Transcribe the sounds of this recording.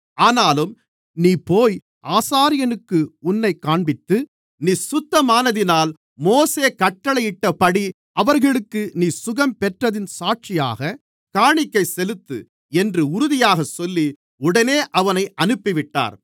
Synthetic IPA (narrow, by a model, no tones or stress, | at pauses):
aːnaːlɯm | niːpoːj | ʔaːsaːɾɪjɐnɯkːɯʊnːɐɪkaːɳbɪt̪ːɯ | niːsʊt̪ːɐmaːnɐðɪnaːl | moːseːkɐʈːɐɭɐɪjɪʈːɐpɐɽi | ʔɐʋɐɾɣɐɭɯkːɯniːsʊɣɐmpɛʈrɐðɪnsaːʈ̚t͡ʃɪja̰ːɣɐ | kaːɳɪkːɐɪsɛlɯt̪ːɯ̰ | ɛndrɯʊɾʊðɪjaːɣɐsɔlːi | ʊɽɐneːʔɐʋɐnɐɪʔɐnɯpːɪʋɪʈːa̰ːɾ